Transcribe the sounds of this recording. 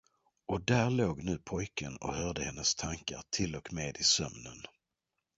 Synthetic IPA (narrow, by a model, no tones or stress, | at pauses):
ɔd̪æɭoːɡnʉ̟ːpʰɔjkənɔ̰hœːɖəhɛnːəst̪ʰaŋka̰ɾt̪ʰɪlɔkmeːd̪ɪsœ̰mnən